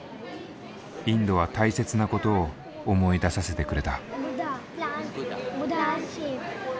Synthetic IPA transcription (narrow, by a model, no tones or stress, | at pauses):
ĩnd̪o̞βat̪aise̞t͡sɨnako̞t̪o̞ː | mo̞id̪asase̞t̪e̞kɯ̟ɾe̞t̪a